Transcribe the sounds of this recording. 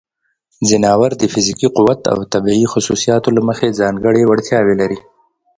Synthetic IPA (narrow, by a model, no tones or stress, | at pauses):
zɪnɑːwaɾd̪əfɪzikiqʊwat̪a̰wt̪abiixʊsusijɑt̪olaməxezɑŋɡəɽewaɽt̪ʰjɑwelaɾi